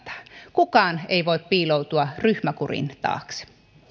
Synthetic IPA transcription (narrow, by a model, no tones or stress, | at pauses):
t̪ɑ̥kukɑːneiʋoit̪̚piːlout̪uɑryhmækurḭnt̪ɑ̰ːks